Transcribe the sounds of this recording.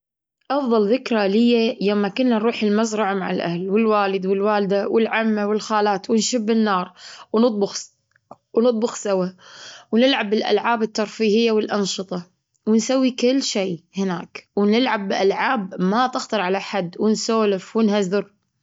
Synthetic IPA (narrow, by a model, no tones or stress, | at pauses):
ʔɑfðˤɑlðɪkɾalɪjːajamːakʊnːanɾuːħɪlmazɾˤɑʕmaʕɪlʔa̰hlwɪlwaːlɪd̪wɪlwaːld̪awɪlʕamːawɪlxaːlaːt̪wɪnʃɪbːɪnːɑːɾˤwnɨt̪̚ˤbʊx | wnɨt̪ˤbʊxsawawnɪlʕabɪlʔa̰lʕaːbɪt̪ːɑɾˤfiːhɪjːawɪlʔɑnʃɨt̪ˤɑ | wɪnsawːikɪlːʃeːhɪnaːkwɪnɪlʕabːɪʔalʕaːbmat̪ɪxt̪ɑɾˤʕalaħad̪ːwɪnsoːlɪfwɪnhazɪɾ